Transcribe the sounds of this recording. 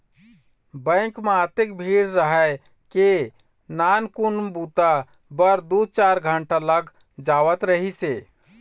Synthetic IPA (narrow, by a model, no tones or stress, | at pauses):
bə̃kmeət̪ek̚bʱiɽɾəɦə | ke | nankunbut̪a | bəɾd̪ut͡ʃaɾɡʱəɳʈaləɡ | d͡ʒawət̪ɾəɦise